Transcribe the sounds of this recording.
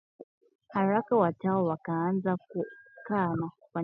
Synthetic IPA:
haɾakawatawɔwakaːnzakukama | kwa

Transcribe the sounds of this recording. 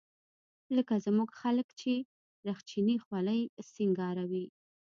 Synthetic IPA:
ləkazmuɡxaləkt͡ʃe | ɾaxt͡ʃinixwaləjsiŋɡɑɾawi

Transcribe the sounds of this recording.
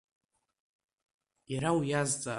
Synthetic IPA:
iɾawjazt͡sʼa

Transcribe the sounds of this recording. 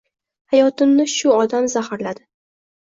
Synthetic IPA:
hajɒt̪ɪmnɪʃʊɒd̪amzahaɾlad̪ɪ

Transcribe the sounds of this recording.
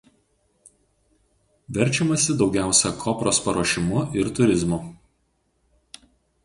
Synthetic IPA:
ʋʲɛɾʲt͡ʃʲɛmɐsʲɪd̪ɒʊɡʲæˑʊsʲɛkʰɔpɾoːspɐɾoːʃʲɪmʊʔɪɾt̪ʊɾʲɪzmʊ

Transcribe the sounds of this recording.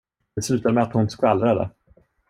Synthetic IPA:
d̪ɛslʉ̟ːt̪ad̪əmɛat̪hʊnskalːɾad̪ə̰

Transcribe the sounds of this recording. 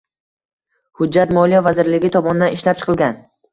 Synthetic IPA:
hʊd͡ʒːat̪mɒlijɒvazɪɾlɪɡʲɪt̪ʰɒmɒnɪd̪anɪʃlap̚t͡ʃʰɨ̥qʰɨlˠɡʲan

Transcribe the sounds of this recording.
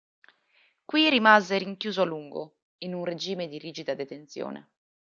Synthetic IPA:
kwirimazeɾiŋkjuːzoaluŋɡo̰ | inunred͡ʒiːmed̪iɾiːd͡ʒid̪ad̪et̪ent̪sjɔ̰ːnḛ

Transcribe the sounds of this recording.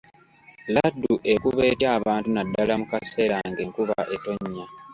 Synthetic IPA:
ladːuʔe̞kuβe̞ːtaːβaːntunadːalamukase̞ːɾaŋɡe̞ŋkuβa̰ʔe̞to̞ɲːa

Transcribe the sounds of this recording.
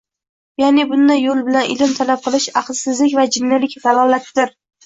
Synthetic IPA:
janɪbʊnd̪ajːolˠbɪlanɪ̰lɪmt̪ʰalap̚qʰɨlˠɪʃɑqlˠsɪzlɪkʲvad͡ʒɪnːɪlɪkʲd̪alˠɒlˠat̪d̪ɪɾ

